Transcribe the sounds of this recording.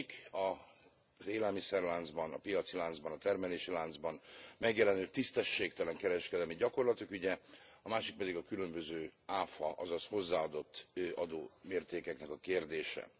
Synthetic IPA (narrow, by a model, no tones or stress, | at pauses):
kɒ | zeːlɛlmisɛrlaːnd̪zbɒnɒ̰pijɒt̪silaːnd̪zbɒnɒt̪ɛrmɛleːʃilaːnd̪zbɒnmɛɡjɛlɛnøːt̪ist̪ɛʃːeːkt̪ɛlɛŋkɛɾɛʃkɛd̪ɛlmiɟɒko̞rlɒt̪ukyɟɛɒmaːʃik̚pɛd̪iɡɒkylø̞mbø̞zøːaːfɒʔɒzɒsho̞zːaːɒd̪o̞t̪ːøʔɒd̪oːmeːrt̪eːkɛknɛkɒkeːrd̪eːʃɛ̰